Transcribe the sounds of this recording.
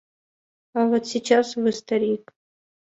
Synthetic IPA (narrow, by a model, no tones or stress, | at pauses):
avot̪sʲit͡ɕasvɨst̪ɐɾʲik